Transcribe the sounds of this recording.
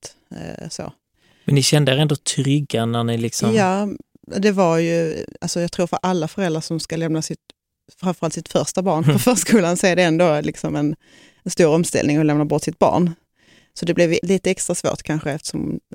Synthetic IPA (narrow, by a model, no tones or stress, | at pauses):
t̪ | so̰ː | mɛnnɪɕɛnd̪əɾɛnd̪ot̪ʰɾʏɡanænɪlɪksɔjɑː | d̪ɛvaɾjɵalsɔjɑɡt̪ʰɾuːɾfœɾʔalːafœɾɛld̪ɾaʂɔmskalɛmnasɪt̪ | fɾamfœɾalt̪sɪt̪fœɾʂt̪abɑːɳfœfœːʂkuːlansɔɛɖɛɛnd̪oːlɪksɔmɛn | ɛnst̪uːɾɔmst̪ɛ̰lnɪŋɔlɛmnabɔʈːsɪt̪̚bɑ̰ːɳ | sɔd̪ɛblɛvliːt̪əɛkst̪ɾasvo̰ːʈ̪kʰanɧəɛft̪ə̥ʂɔ̰m